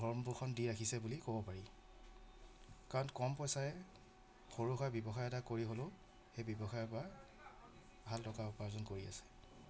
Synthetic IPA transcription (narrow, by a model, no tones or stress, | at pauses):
ɡʱɔɹmbuxʰɔndiɹakʰisɛbulikobɔpaɹi | kaɹɔnkɔmpɔjsajɛ | xoɹuxɔjbjɔbɔxajɛtakoɹiɦolʊ̃ | xejbɔbɔxajɔpɔɹa | bʱaltɔkaʊpaɹzɔnkoɹia̰sɛ̥